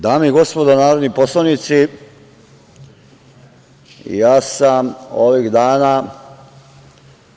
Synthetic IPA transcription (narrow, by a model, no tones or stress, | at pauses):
d̪aːmeiɡo̞spo̞d̪anaːɾod̪niposloʋnit̪si | jaːsamoʋiɣd̪aːna